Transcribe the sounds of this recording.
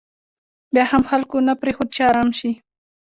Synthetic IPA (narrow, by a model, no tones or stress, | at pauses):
bjɑhamxalkonapɾexod̪ʃɑːɾɑmʃi